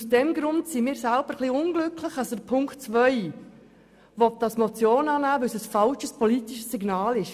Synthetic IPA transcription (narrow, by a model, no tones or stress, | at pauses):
usd̥ɛmɡɾʊntsimiːɾsælb̥əɾχliʊnɡlʏkʰləχɑsdəpʰʊŋktt͡sʋœɪ | vɔt̚dɑsmɔt͡sjoːnɑːnæːvɵlsəsfɑlt͡ʃəspʰɔlitiʃəsːiɡnɑːlɪʃ